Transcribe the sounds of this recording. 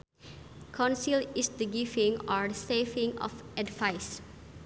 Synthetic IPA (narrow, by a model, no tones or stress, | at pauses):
kʰãnsilisd̪əɡivĩŋɔɹdəsevĩŋɔ̰fʔɛdvajs